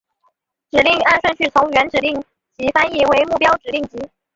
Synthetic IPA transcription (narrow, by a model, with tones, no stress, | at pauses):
ʈ͡ʂɻ̩˨˩li˥˩ŋa˥˧nʂwə˥˧nɕʰy˥˩t͡sʰʊ˧˥ŋɥɛ˧˥nʈ͡ʂɻ̩˨˩li˥˩ŋ | t͡ɕi˧˥fa˥ni˥˩we˧˥ɪmu˥˩pjɑ˥ʊʈ͡ʂɻ̩˨˩li˥˩ŋt͡ɕi˧˥